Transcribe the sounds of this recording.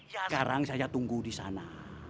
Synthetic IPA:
jakaɾaŋsajat̪uŋɡudisa̰na

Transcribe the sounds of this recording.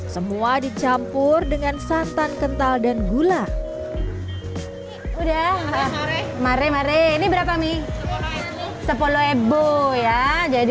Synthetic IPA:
səmuadit͡ʃampʊrdəŋansant̪ankənt̪aldanɡula | udah | maɾemaɾeinibəɾapami | səpoloebojad͡ʒadi

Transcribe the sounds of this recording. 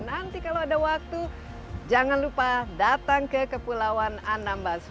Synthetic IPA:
nant̪ikaloadawak̚t̪u | d͡ʒaŋanlupadat̪aŋkəkəpulawanandambas

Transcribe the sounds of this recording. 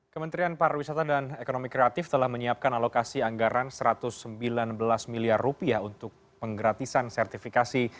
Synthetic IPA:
kəmənt̪ɾianpaɾawisat̪adanekonomikɾeat̪ɪft̪əlahməɲiap̚kanalokasiaŋɡaɾansəɾat̪ʊsːəmbilanbəlasmiliarːupiaunt̪ʊk̚ | pəŋɡəɾat̪isansɛrt̪ifikasi

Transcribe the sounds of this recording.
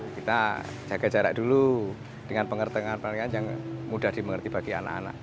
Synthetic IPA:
kit̪ḁ | d͡ʒ̥aɡ̥ad͡ʒaɾaʔd̥ulu | d̥əŋanpəŋərt̪əŋanpaiŋanjaŋmudahd̥iməŋərt̪ibaɡ̥ia̰na̰ʔa̰na̰ʔ

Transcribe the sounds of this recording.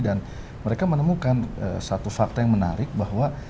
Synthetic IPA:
dan | məɾekamənəmukanə̰sat̪ufak̚t̪ajaŋməna̰ɾɪk̚baɦwa

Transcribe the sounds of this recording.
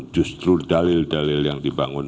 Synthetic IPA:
d͡ʒust̪ɾudalɪldalɪljaŋdibaŋʊn

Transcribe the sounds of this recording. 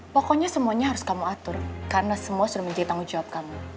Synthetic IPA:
pɔkɔɲasəmuaɲaɦaɾʊskamuat̪ʊrkaɾənasəmuasudahməɲd͡ʒadit̪aŋud͡ʒawap̚kamu

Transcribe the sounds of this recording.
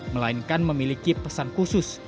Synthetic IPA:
məlainkanməmilikipəsankusʊs

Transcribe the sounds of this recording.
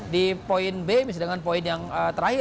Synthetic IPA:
dipoɪnbemis̬dəŋanpoɪnjaŋət̪əɾaɦɪ

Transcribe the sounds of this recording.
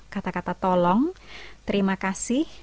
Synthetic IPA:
kat̪akat̪at̪ɔlɔŋt̪əɾimakasɪh

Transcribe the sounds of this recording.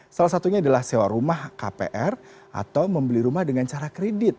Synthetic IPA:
salahsat̪uɲaːdalahsewaɾumahka̰pḛʔɛr | ʔa̰t̪awməmbəliɾumahdəŋant͡ʃaɾakɾedɪt̪̚

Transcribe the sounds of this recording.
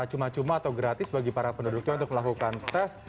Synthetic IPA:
at͡ʃumat͡ʃumaːt̪awɡɾat̪ɪsbaɡipaɾapəndudʊk̚ɲaunt̪ʊk̚məlakukant̪ɛs

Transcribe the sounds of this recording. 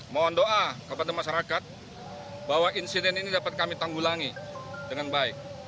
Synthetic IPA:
mɔndoʔakəpadamaʃaɾakat̪̚ | bawaʔinsidɛninidapat̪̚kamit̪aŋɡulaŋidəŋanbaɪk̚

